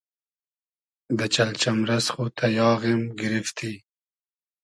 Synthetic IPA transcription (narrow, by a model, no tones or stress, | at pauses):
d̪ət͡ʃalt͡ʃamɾasχut̪ʰajɑːɣemɡɪɾɪft̪ʰi